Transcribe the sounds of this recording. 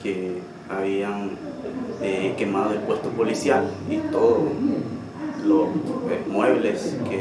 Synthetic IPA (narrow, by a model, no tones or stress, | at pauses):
ke | aβiaŋ | ekemaðoelpwest̪opolisjalit̪oðo | losesmweβleske